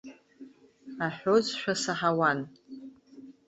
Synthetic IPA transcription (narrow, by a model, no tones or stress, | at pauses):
aħʷᶣozʃᶣʷasaħawan